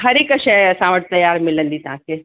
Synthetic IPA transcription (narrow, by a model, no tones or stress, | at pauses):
ɦɐɾeːkɐʃɛɐsãʋɐʈ̚t̪ɐjaːɾmɪlə̃nd̪iːt̪ɐʋ̤ãke